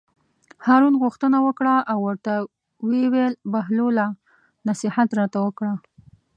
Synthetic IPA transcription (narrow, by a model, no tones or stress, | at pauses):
hɑɾunɣuxt̪ənawəkɽaʔːwːəɾt̪a | wewelbaɦlola | nasihat̪ɾɑt̪awəkɽa